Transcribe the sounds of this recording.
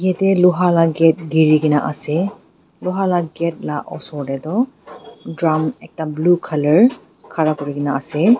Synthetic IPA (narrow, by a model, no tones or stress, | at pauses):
ijatɛlʊɦalaɡɛt̚ɡiɹikinaʔasɛ | lʊɦalaɡɛt̚laʔɔ̰sɔɹdɛtɔ | dɹamɛk̚tablukʰaləɹ | kʰaɹakɔɹikinaasɛ